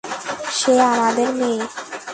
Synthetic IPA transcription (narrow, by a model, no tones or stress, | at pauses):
ʃeamad̪eɾme